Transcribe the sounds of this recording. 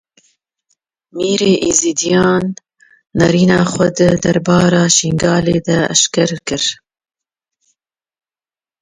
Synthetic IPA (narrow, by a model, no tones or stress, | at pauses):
miːɾeːʔiziːd̪ijɑːnː | ɐɾiːnɑːxʷɐd̪ɨd̪ɐɾbɑːɾɑːʃiŋɡɑːleːd̪ɐ̰ːʃkɐɾkɨɾ